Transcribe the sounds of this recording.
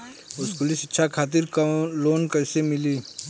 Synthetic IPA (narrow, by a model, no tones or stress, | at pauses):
ʊskʊlɪsɪtːʃʰakʰaːt̪̬ɪɾkloːnkɐsemɪliː